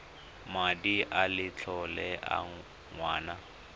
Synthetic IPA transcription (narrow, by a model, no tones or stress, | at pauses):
madiʔalɪt͡ɬʰɔlɛʔa̰ | ŋwaːna